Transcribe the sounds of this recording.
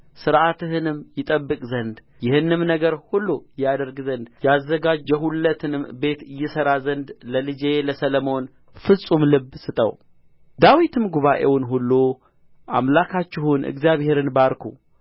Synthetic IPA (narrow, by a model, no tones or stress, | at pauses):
sɨɾʔat̪ɨhɨnɨmjɪt̪ʼəbːɨkʼzənd̪ | jɪhɨnːɨmnəɡəɾhulːujad̪əɾɡzənd̪jɛazːəɡad͡ʒɛɦulːət̪ʰɨnɨmbe̞t̪ɨjːɛsəɾazənd̪ləlɨd͡ʒeləsələmo̞n | fɨsʼumlɨbːsɨt̪ʼə̰w | d̪awit̪ɨmɡuβaʔe̞wnɦulːu | ʔa̰mlakʰat͡ʃːɪɦunʔɨ̰ɡzjaβhe̞ɾɨnbaɾkʰṵ